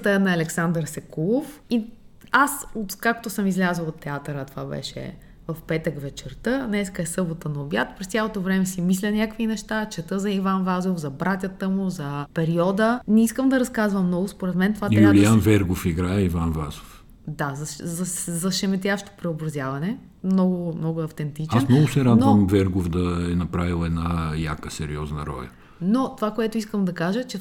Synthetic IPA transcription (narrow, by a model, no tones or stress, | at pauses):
t̪ənɐːlɛksand̪əɾsɛkulˠofi | asot̪kakt̪osəmizlʲazəlˠot̪ːɛat̪əɾət̪ova̰bɛ̰ʃɛ̰ | vɐfpɛt̪əkvɛt͡ʃɛɾt̪ɤnɛskəɛsɤbot̪ənɐobjat̪pɾɛst̪sʲjalˠot̪ovɾɛmɛsimislʲɐnʲakvinɛʃt̪at͡ʃɛt̪əzɐivanvazofzɐbɾat̪ʲət̪əmuzɐpɛɾiɔd̪ənɛiskəmd̪ɐɾɐskazvəmːnɔɡʊspoɾɛt̪mɛnt̪ovat̪ijulianvɛɾɡofiɡɾaɛivanva̰zof | d̪azɐzɐszɐʃɛmɛt̪ʲjaʃt̪o̥pɾɛobɾɐzjavɐnɛ | mnɔɡʊmnɔɡʊɐft̪ɛnt̪it͡ʃaɛsmnɔɡʊsɛɾad̪vəmvɛɾɡofd̪ɐɛnɐpɾavilˠɛd̪naja̰kəsɛɾḭɔznə̰ɾɔ̰lʲə̰ | not̪ovakoɛt̪ʊiskəmd̪ɐkaʒət͡ʃɛ